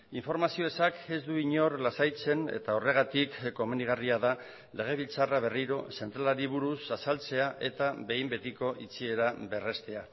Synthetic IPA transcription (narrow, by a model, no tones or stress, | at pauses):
iɱfo̞ɾmasio̞esake̞zd̪uiɲo̞ɾlasajt͡se̞ne̞̰t̪ao̞re̞ɣ̞at̪ikːo̞meniɣ̞ariaða | le̞ɣ̞e̞β̞ilt͡saraβ̞e̞riɾo̞se̞nt̪ɾalaɾiβuɾusasalt͡se̞aʔe̞t̪aβe̞jmbe̞t̪iko̞ʔit͡sie̞ɾabe̞re̞st̪e̞a